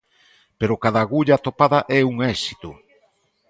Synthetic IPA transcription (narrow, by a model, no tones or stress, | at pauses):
peɾʊkaðaɣuʎat̪opaðaʔɛuŋɛsi̥t̪ʊ